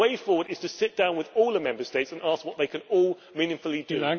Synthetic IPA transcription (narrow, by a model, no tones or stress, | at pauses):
eɪfɔːwəɾɪz̥tʰəsɪt̚d̥ãʊ̃nwɪðɔːlˠəmɛ̃mbəsteɪtsə̃nɑˑskwɒʔ̪ðeɪkʰə̃nɔːlˠ | mĩnɪ̃ŋfəl̩ˠidɨ̃